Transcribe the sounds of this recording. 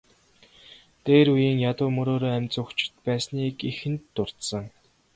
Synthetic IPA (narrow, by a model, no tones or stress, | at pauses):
t̪eːɾujiːŋjat̪ʊːmɵɾoːɾoːæmʲt͡sʊxt͡ɕɪ̥̆t̪̚pæːsniːkixɘ̆nt̪ːʊr̥t̪sə̆ŋ